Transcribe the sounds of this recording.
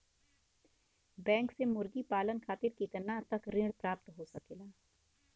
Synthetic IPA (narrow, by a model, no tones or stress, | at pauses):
bɛ̃ːŋksemʊɾɡipaːlənkʰaːt̪ɪɾkiːt̪ənat̪ɐkɾɪ̃ːɽpɾaːpt̪ɦoːsɐkeːlaː